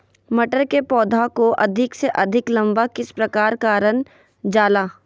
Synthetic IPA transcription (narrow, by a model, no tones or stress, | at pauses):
mɐʈəɾkepɔːd̪ʱakoʔɐd̪ʱɪkseʔɐd̪ʱɪklɐ̃mbakɪspɾɐkaːɾkaːɾən | d͡ʒaːlaː